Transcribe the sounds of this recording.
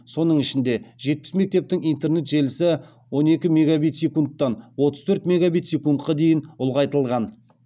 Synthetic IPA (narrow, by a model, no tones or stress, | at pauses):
so̞nəɴɪʃɪnd̪e̞ʒe̞t̪̚pɪ̥sme̞k̚t̪e̞p̚t̪ɪŋijnt̪e̞rne̞t̪ʒe̞lɪsɪ | wo̞ne̞kʲɪme̞ɡabijt̪sʲekunt̪ːɑnwo̞t̪əz̥t̪ʰɵɾt̪me̞ɡabijt̪sʲekunt̪qɑd̪e̞jɪnʊlˠʁɑjt̪əlˠʁɑn